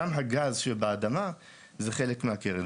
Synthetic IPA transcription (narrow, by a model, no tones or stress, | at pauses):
amɦaɡazʃelbaad̪ama | zeχe̞lekmehakeʁe